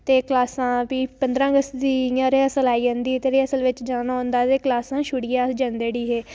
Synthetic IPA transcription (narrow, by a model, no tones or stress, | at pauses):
t̪eːklaːsãːpiːpənd̪ɾãːəɡəst̪d̪iːjãːɾeːəsəlaːiːd͡ʒãːnd̪iːt̪eːɾeːəsəlʋɪt͡ʃd͡ʒaːnaːõnd̪aːt̪eːklaːsãːʃʊɽijaːd͡ʒãːnd̪eːɽiːɦeː